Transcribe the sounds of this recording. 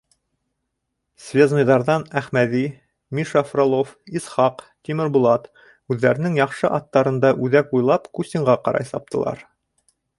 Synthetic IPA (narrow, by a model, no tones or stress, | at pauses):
svʲeznŭjðɑɾðɑnæχmæði | mʲiʃafrolˠofisχɑq | t̪ʲimɘɾbulˠɑt̪ | ʉðːæɾɘ̆nɘŋjɑχʃɤʔɑt̪ːɑɾɤ̆nd̪ɑʔʉðækujlˠɑpkusʲt̪ʲiɴʁɑqɑɾɑ̰jsɑp̚t̪ʰɤ̆lˠɑ̰ɾ